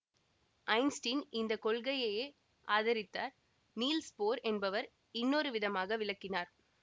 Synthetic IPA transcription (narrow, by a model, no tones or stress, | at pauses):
ʔɐɪnsʈɪnɪnd̪ɐkɔɭɣɐjɐjeː | ʔaːðɐɾɪt̪ːaːɾ | niːlspoːɾɛnbɐʋɐɾ | ɪnːɔɾɯʋɪðɐmaːɣɐʋɪɭɐkːɪnaːɾ